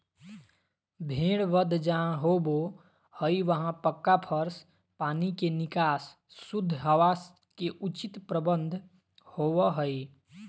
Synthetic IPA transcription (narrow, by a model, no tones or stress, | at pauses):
bʱeːɽʋəd̪ʱd͡ʒãɦobo | həiʋəɦãpəkːapʰəɾs | paːnikenɪkaːsː | ud̪ʱːɦəʋas | keʔut͡ʃit̪pɾəbə̃nd̪ʱ | howəɦəi